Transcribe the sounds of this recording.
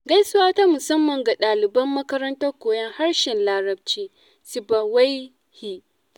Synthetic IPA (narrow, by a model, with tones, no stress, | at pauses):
ɡɐ˦jsʊ˦waː˦ta˦mʊ˨sɐ˦mːɐ˨ŋɡa˨ɗaː˨lɪ˨bɐ˦mːɐ˦kɐ˦ɾɐ˦ntɐ˦rkʷoː˨jɐ˦ŋha˦ɽʃɛ˨nlaː˦ɾɐ˦b̚t͡ʃiː˦ | sɪ˨ba˨wa˦j | hi˦